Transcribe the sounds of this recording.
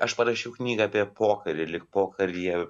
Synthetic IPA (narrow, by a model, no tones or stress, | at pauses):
ɐʃpɐɾɐʃʲɛʊknʲiːɡɐɐpʲiɛpoːkɐɾʲɪlʲɪkpoːkɐɾʲjiɛ